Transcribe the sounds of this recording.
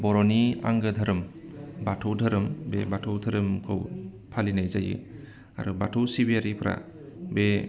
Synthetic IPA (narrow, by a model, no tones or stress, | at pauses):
bɔɾɔnia̰ŋɡɯdʱaɾɯmbatʰɯwdʱəɾɯmbebatʰɯwdʰʱəɾɯmkʰɯw | pʰalinajzajɯ̰ | a̰ɾubatʰɯwsibiaɾipʰɾʔa̰ | be